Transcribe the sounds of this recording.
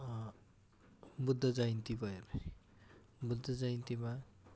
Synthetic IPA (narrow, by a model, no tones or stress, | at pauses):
bud̪ʱːʌd͡zajint̪ibʱʌeɾʌ | bud̪ʱːʌd͡zajnt̪ima